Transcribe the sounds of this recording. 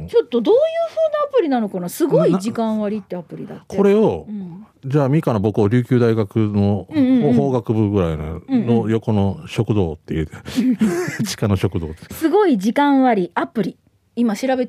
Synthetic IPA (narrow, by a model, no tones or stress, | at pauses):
t͡ɕo̞t̪ːo̞d̪oːjɯːɸɯːnaapɯ̟ɾʲinano̞kanasɨɡo̞iʑikãɰ̃βaɾʲit̪ːe̞apɯ̟ɾʲḭd̪a̰t̪kʰeo̞ɾe̞oɯ̃ | d͡ʑaːmʲikanabo̞kɯ̟oɾʲɨːkʲɨːd̪aiɡakɯ̟noɯ̃ɴ̃ːohoːɡakɯ̟bɯ̟ɡɯ̟ɾainõ̰nojo̞ko̞no̞ɕo̞kɯ̟d̪o̰ːt̪ːejɯd̪e | t͡ɕi̥kano̞ɕo̞kɯ̟d̪o̞̰ːt̪ːesɨɡo̞iʑikãɰ̃βaɾʲiapɯ̟ɾʲi | imaɕiɾabe̞t̪